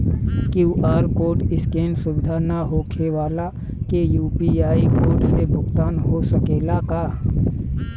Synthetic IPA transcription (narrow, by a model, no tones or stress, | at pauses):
kjuːʔaːɾkoːɾʈɪskeːnsʊʋɪd̪ʱanaɦoːkʰewaːla | kejuːpiaːikoːɖsebʱʊɡt̪aːnɦosəkeːlakaː